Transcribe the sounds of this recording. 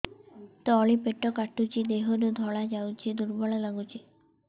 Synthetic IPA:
t̪ɔɔɭipeʈɔkaʈut͡ʃʰid̪eɦonud̪ʱɔɭad͡ʒawt͡ʃʰid̪uɾbɔɭalaɡut͡ʃʰi

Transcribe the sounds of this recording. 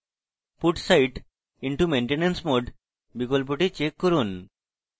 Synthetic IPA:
fuʈsajʈ | iɳʈumeɳʈenensmoɖ | bikolp̬oʈit͡ɕekːɔɾun

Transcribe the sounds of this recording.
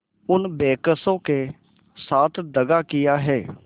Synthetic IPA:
ʊnbeːkəsõːkeː | saːt̪ʰd̪əɡaːkɪjaːɦɛː

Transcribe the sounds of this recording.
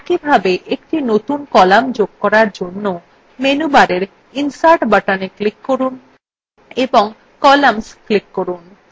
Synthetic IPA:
kibʱabeʔek̚ʈinot̪unkɔlamd͡ʑoɡ̚kɔɾaɾd͡ʑonːo | menubaɾeɾ | insaɾʈbaʈaneklikːoɾun | eboŋ | kɔlamsklikːoɾun

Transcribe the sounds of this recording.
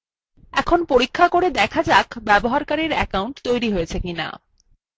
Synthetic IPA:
ɛkʰonpoɾikʰːakoɾed̪ɛkʰad͡ʑakbɛboɦaɾkaɾiɾɛkawɳʈt̪ojɾiɦojet͡ɕʰekina̰

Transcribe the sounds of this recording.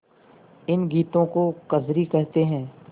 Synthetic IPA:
ɪnɡiːt̪õkokɐzɾikəɦt̪eɦɛ̃ː

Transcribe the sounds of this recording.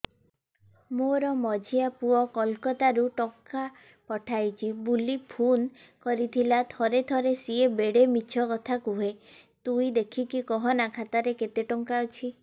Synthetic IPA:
moɾɔmɔd͡ʒʱiapuɔkɔlkɔt̪aɾuʈɔŋka | pɔʈʰajt͡ʃʰibulipʰun | kɔɾit̪ʰilat̪ʰɔɾet̪ʰɔɾesiebeɽemit͡ʃʰɔkɔt̪ʰakuɦe | t̪uid̪ekʰikikɔɦɔnakʰat̪aɾeket̪eʈɔŋkawt͡ʃʰi

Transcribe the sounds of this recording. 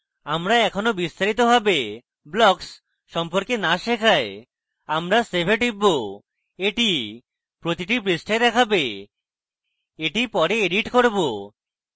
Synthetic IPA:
amɾaɛkʰonobist̪aɾit̪obʱabe | blɔks | ʃɔmpoɾkenaʃekʰae | amɾasebʱeʈibːo | eʈi | pɾot̪iʈipɾisʈʰed̪ɛkʰabe | eʈipɔɾeeɖiʈkoɾbo

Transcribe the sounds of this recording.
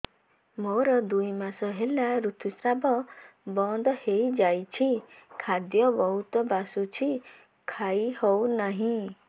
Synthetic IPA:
moɾɔd̪ujmasɔɦelaɾut̪ʰusɾabɔbɔnd̪ɔhejd͡ʒajt͡ʃʰikʰad̪jɔbɔɦut̪ɔbasut͡ʃʰi | kʰajhownaɦĩ

